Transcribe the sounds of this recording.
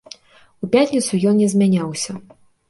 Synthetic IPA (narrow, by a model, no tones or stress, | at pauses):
upʲat̪ʲnʲit̪sujɔnnʲɛzʲmʲanʲawsʲɐ